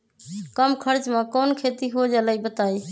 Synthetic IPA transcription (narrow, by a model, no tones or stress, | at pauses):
kəmkʰəɾt͡ʃmẽkənkʰet̪iɦod͡ʒaləjbət̪aj